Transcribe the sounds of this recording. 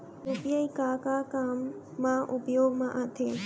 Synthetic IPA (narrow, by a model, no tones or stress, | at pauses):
ɾupjəikakakaːmː | ãʔupjoːɡmãʔat̪ʰeː